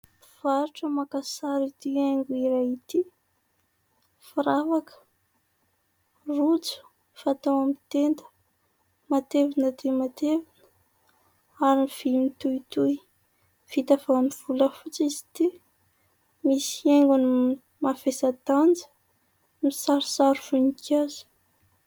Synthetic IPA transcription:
v̥aɾuʈ͡ʂəmakasaɾit̪ieŋɡuiɾajit̪i | fiɾavakə̥ | rut͡su̥ | fat̪awamit̪end̪ə̥ | mat̪evinəd̪emat̪evinə̥ | aɾiiv̥imit̪uit̪uj | v̥it̪afamiv̥uləfut͡sizi̥t̪i | misieŋɡuni | mafesad̪and͡zə̥ | misaɾusaɾufunikazi̥

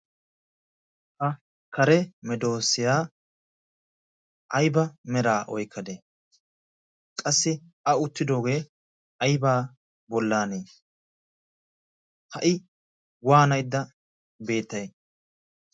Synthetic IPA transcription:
hɐ | kɐɾɛmɛd̪o̞ːsɪjaː | ʔɐjbɐmɛɾaːʔɔ̰jkʰːɐd̪eː | kʼɐsːɪ | ɐʊt̪ːɪd̪o̞ːɡe̞ː | ɐjbaː | bɔlːaːneː | hɐʔɪ | waːnɐjd̪ːɐ | be̞ːt̪ːɐj

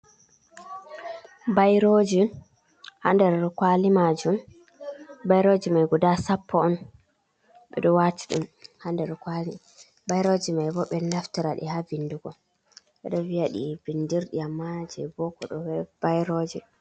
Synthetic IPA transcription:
bajɾod͡ʒi | ha̰ndɛɾkwalimad͡ʒum | bajɾod͡ʒimajɡɔdasapʰːɔɔn | ɓɛɗɔwati̥ɗṵmhandɛɾɔkwali | bajɾod͡ʒimajbɔɓɛnaftiɾaɗḭhavinduɡɔ | ɓɛ̰ɗɔviaɗḭvindiɾɗiamːad͡ʒɛbɔkɔ̰ɗɔwɛb̥ajɾod͡ʒi

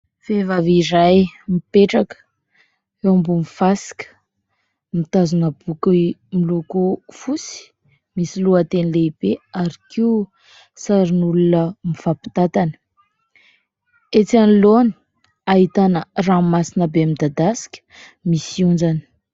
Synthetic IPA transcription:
fevavirajmipeʈ͡ʂakə̥ | eambumifasi̥kʲə̥ | mit̪azunəb̥ukimilukufusi̥ | misiluat̪enileibeaɾikiu | saɾinulunəmivapi̥t̪at̪anə̥ | et͡saniloni̥ | aɦit̪anəramasinəbeamid̪ad̪asi̥kʲə̥ | misiund͡zanə̥

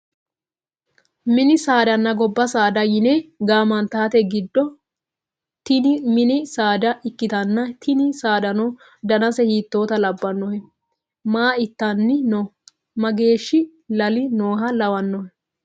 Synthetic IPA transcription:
mɪnɪsaːd̪ɐnːɐɡɔbːɐsaːd̪ɐjɪneɡaːmɐnt̪aːt̪ɛɡɪd̪ːɔ | t̪ɪmɪnɪsaːd̪ɐɪkːɪt̪ɐnːɐt̪ʰɪnɪsaːd̪ɐnɔ | d̪ɐnɐsɛhiːt̪ːo̞ːt̪ɐlɐbːɐnːɔhɛ | maːɪt̪ːɐnːɪno | mɐɡe̞ːʃːɪ | lɐlɪnoːɦɐlɐwɐnːɔhɛ

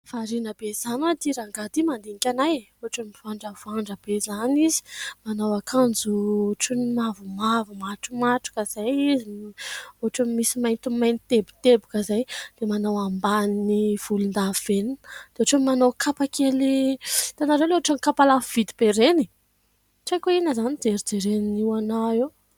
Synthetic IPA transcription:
v̥aɾinəbez̥anwad̪iɾaŋɡad̪imand̪eŋikʲanajoɦaʈ͡ʂamiv̥aɳɖ͡ʐəvaɳɖ͡ʐəbezanizi̥manawakʰand͡zuoʈ͡ʂunimavumavumaʈ͡ʂumaʈ͡ʂu̥kəz̥ajizi | oɦaʈ͡ʂamimisimajnt̪umajnit̪ebu̥t̪ebukəzajd̪̥emanawambaniniv̥ulund̪av̥enind̪̥eaʈ͡ʂamimanowkʰapakelit̪anaɾewleoaʈ͡ʂanikapalav̥id̪ib̥eɾeni̥ | ʈ͡ʂajkoinəzanid͡zeɾid͡zeɾeniniwanaew

